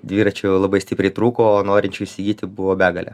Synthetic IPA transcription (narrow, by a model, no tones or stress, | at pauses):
d̪ʲʋʲiːɾɐt͡ʃʲɛlˠɐbɐɪsʲt̪ʲɪpʲɾʲɛɪt̪ɾuːkoːoːnoːɾʲɪnʲt͡ʃʲɛʊɪsʲɪɡʲiːt̪ʲɪbʊʋoːbʲæːɡɐlʲɛ̰